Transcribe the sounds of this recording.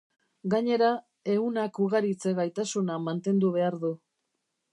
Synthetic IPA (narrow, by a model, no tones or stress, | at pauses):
ɡaɲe̞ɾa | e̞unakuɣaɾit͡se̞ɣajt̪asunamant̪e̞nd̪uβ̞e̞aɾðu